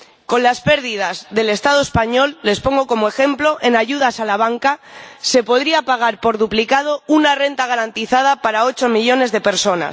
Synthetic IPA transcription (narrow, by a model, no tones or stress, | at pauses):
ko̞nlaspe̞ɾðiðazðe̞le̞st̪aðoespaɲo̞lːe̞spo̞ŋɡo̞ko̞moe̞xe̞mplo̞ʔenaʝuðasalaβ̞aŋkase̞po̞ðɾiapaɣ̞aɾpo̞ɾðuplikað̞o̞unare̞nt̪aɣ̞aɾant̪iθað̞apaɾao̞t͡ʃo̞miʎo̞ne̞zðe̞pe̞ɾso̞na̰s